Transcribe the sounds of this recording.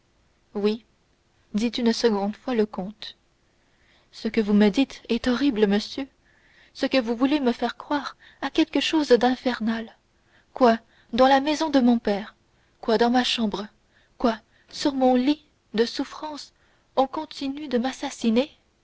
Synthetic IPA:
wi | d̪it̪ynsəɡɔ̃d̪fwaləkɔ̃t̪ | səkəvuməd̪it̪ɛt̪ɔʁibləməsjø | səkəvuvuleməfɛʁkχwaːʁ | akʲɛlkəʃoːzd̪ɛ̃fɛʁnal | kwa | d̪ɑ̃lamɛzɔ̃d̪əmɔ̃pɛːʁ | kwad̪ɑ̃maʃɑ̃bʁə | kwa | syʁmɔ̃li | d̪əsufχɑ̃s | ɔ̃kɔ̃t̪inyd̪əmasasine

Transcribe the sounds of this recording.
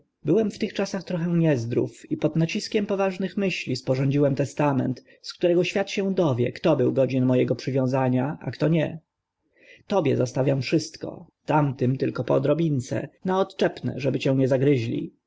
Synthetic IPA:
bɘwɛmft̪ɘxt͡ʂasaxt̪ɾɔxɛ̃ɲɛzd̪ɾṵfipɔd̪nat͡ɕiskʲɛmpɔvaʐnɘxmɘɕlʲispɔʐɔɲd͡ʑiwɛmt̪ɛst̪amɛ̰nt̪ | skt̪uɾɛɡɔɕfʲjat̪ɕɛ̃d̪ɔvʲjɛ̰kt̪ɔbɘwɡɔd͡ʑinmɔjɛɡɔpʂɘvʲjɔ̃w̃zaɲaʔa̰kt̪ɔɲɛ | t̪ɔbʲjɛ̰zast̪avʲjamfʂɘst̪kɔ̰t̪amt̪ɘmt̪ɘlkɔpɔ̰d̪ɾɔbʲint̪sɛ̰naɔt̪t͡ʂɛpnɛ̰ʐɛbɘt͡ɕɛ̃w̃ɲɛzaɡɾɘʑlʲḭ

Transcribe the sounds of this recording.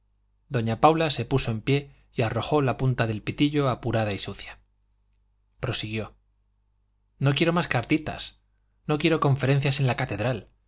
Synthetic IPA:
d̪o̞ɲapawlase̞puso̞e̞mpje̞ | ijaro̞xo̞lapunt̪aðe̞lpit̪iʎo̞apuɾaðaisuθja | pɾo̞siɣ̞jo̞ | no̞kje̞ɾo̞maskaɾt̪it̪a̰s | no̞kje̞ɾo̞kõ̞ɱfe̞ɾen̟θjase̞nlakat̪e̞ðɾal

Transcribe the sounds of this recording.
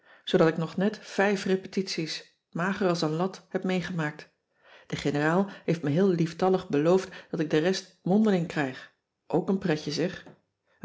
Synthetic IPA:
z̥odɑtɪknɔχnɛtfɛjfrepətitsis | maːχərɑlˠsənlɑthɛpmejχəmaːk̚t | d̥əχenəraːlˠɦejftmɛɦɪːlˠliftɑləχbəlowftd̥ɑtɪɡ̚dərɛst | mɔndəlɪŋkrɛjχ | ʔowkənprɛcəzɪχ

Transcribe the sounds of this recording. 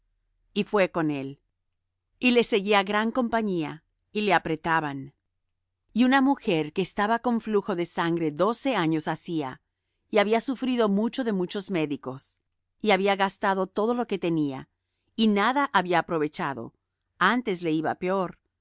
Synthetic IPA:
ifwe̞ko̞ne̞l | ile̞se̞ɣiaɣɾaŋko̞mpaɲia | ile̞apɾe̞t̪aβan | iunamuxe̞ɾke̞ːst̪aβako̞ɱfluxo̞ðe̞saŋɡɾe̞ðo̞se̞aɲo̞sasia̰ | iaβiasufɾiðo̞mut͡ʃo̞ðe̞mut͡ʃo̞zme̞ðiko̞s | iaβiaɣast̪að̞o̞t̪o̞ð̞o̞lo̞ke̞t̪e̞nia̰ | inaðaʔaβiaːpɾo̞βe̞t͡ʃaðo̞̰ | ant̪e̞zle̞iβa̰peo̞ɾ

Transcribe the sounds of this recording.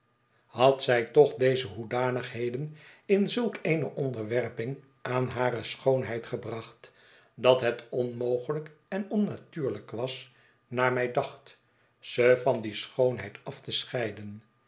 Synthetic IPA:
hɑtsɛjtɔχdejzəɦudaːnəχɦejdənɪnzɵlˠkejnəʔɔndəɹʋɛrpɪŋ | ʔaːnɦaːɾəsχownɦɛjtχəbrɑχt | dɑtɦɛtɔnmowχələkɛnɔnːatyːɹləkʋɑs | naːɹmɛjdɑχt | z̥əfɑndisχownɦɛjtɑftəsχɛjdən

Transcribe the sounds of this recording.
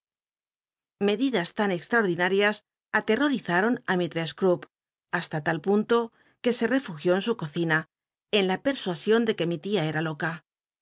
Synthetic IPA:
me̞ðiðast̪ane̞kst̪ɾaoɾðinaɾjas | at̪ero̞ɾiθaɾo̞namit̪ɾeskɾup | ast̪at̪alpunt̪o̞ | ke̞se̞re̞fuxjo̞ensuko̞θina | e̞nlape̞ɾswasjo̞nd̪e̞ke̞mit̪iae̞ɾalo̞ka

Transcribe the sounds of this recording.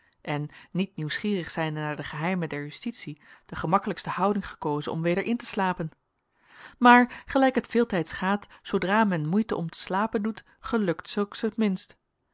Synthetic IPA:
ʔɛnːit̚niwsχiːrəχsɛjndənaːɹdəχəɦɛjmədɛɹjystitsid̥əχəmɑkələkstəhɑwdɪŋχə̥kowzə̰nɔ̰mʋejdəɹʔɪntə̥slaːpən | maːɹχəlɛjkɦətfɪːlˠtɛjtsχaːtsowdraːmɛnmujtəʔɔmtə̥slaːpəndut | χəlɵktsɵlˠksətmɪnst

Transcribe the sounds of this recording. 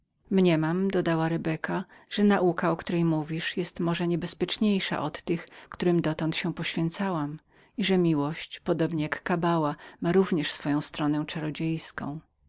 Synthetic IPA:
mɲɛmamd̪ɔd̪awaɾɛbɛkaʐ̥ɛnaʔukaɔkt̪uɾɛjmuvʲiʂjɛst̪mɔʐɛɲɛbɛspʲjɛt͡ʂɲejʂa̰ʔɔt̪ːɘxkt̪uɾɘmd̪ɔt̪ɔ̃nt̪ɕɛpɔɕfʲjɛnt̪sawam | iʐɛmʲiwɔɕt͡ɕpɔd̪ɔbɲɛjakːabawamaɾuvɲɛʂsfɔjɔ̃w̃st̪ɾɔnɛ̃w̃t͡ʂaɾɔd͡ʑejskɔ̰̃w̃

